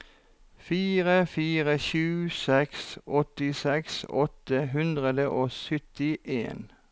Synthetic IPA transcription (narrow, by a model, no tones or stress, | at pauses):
fiːʁəfiːʁəʃʉːsɛksɔt̪ɪsɛksɔt̪əɦʉnd̪ʁəd̪əʔoːsʏt̪ɪʔḛːn